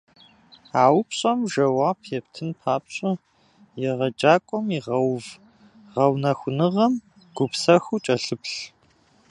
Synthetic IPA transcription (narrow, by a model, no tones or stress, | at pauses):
aːwpɕʼɐmʒɐwaːpʰjɛptʰɨnpʰaːpɕʼɐ | jɛʁɐd͡ʒaːkʷʼɔmiʁɐwv | ʁɐwnɐxʷʊnɨʁɐm | ɡ̥ʷʊpsɐxut͡ʃʼɐɬɨpɬ